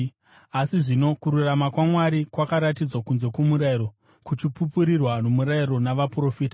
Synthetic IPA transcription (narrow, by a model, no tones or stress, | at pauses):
asiʐino̞kuɾuramakwamwaɾikwakaɾatid͡zwakunze̞komuɾaiɾo̞ | kut͡ʃipupuɾirwanomuɾaiɾo̞naʋapro̞fiːta